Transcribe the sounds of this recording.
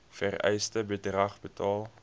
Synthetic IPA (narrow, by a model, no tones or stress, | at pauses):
færɛ̰jstəbədrɐχbətɑːlˠ